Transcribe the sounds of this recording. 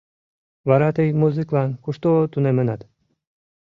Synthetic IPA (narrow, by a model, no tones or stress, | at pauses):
vɑɾat̪əjmuzɨklɑnkuʃt̪ot̪unemənɑt̪